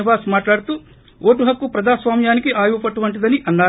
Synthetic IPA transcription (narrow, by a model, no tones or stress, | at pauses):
ibaːsmaːʈlaːɽut̪u | oːʈuɦɐkːupɾɐd͡ʒ̪aːsʋaːmjaːnikiʔaːjuʋpɐʈuʋɐɳʈ̬id̪ɐniʔɐnːaː